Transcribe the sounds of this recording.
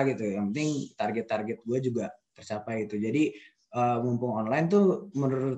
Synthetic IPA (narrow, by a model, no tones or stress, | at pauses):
ɡit̪ujaŋpənt̪ɪŋt̪arɡɛt̪ːarɡɛt̪̚ɡuad͡ʒuɡat̪ərt͡ʃapajit̪ud͡ʒadi | əmumpʊŋɔnlaɪnt̪umənuɾʊt̪